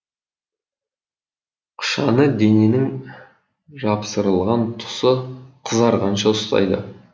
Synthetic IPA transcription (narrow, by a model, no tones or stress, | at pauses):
qʰʊ̥ʃɑnəd̪e̞ne̞nɪŋ | ʒɑpsəɾəlˠʁɑnt̪ʰʊ̥səqʰəzɑɾʁɑnʃɑʊst̪ɑ̰jd̪ə